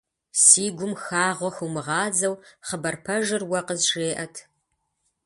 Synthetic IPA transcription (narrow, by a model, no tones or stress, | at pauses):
siːɡʷʊmxaːʁʷɔxuwmɨʁɑːd͡zɐwχəbɐrpʰɐʒɨrwɐqəzʒeːʔɐtʰ